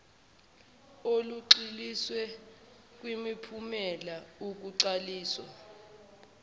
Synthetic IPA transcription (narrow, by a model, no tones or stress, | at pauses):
oluǀiliswɛ | k̬wimipʰumɛlauk̬uǀaliːswa̰